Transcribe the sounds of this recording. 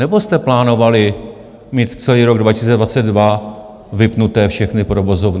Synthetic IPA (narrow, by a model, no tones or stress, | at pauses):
nɛbo̞st̪ɛplaːno̞valɪ | miːt̪t͡sɛliːɾoɡdvacɪsit͡sɛdvat͡sɛd̪dva | vɪpnut̪ɛːfʃɛxnɪpɾovo̞zovn